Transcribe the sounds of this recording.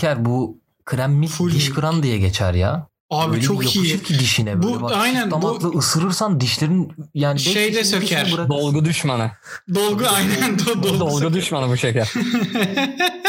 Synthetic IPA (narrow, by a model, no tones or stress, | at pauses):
æɾbu | kʰɯɾæmːiliʃkʰɯɾand̪ijɛɟet͡ʃʰæ̰ɾja̰ | aːbilleoikjoiuʃuɾcʰid̪iʃinɛbuvaajnænamaklˠɯʔɯsɯɾɯɾsand̪iʃlʲeɾinjaːniiʃeejd̪ɛsøcʰæɾbuɾad̪olˠɡud̪yʃmanɯ | d̪olˠɡuajnænd̪d̪od̪olˠɡɡud̪yʃmanɯbuʃecʰæɾ̥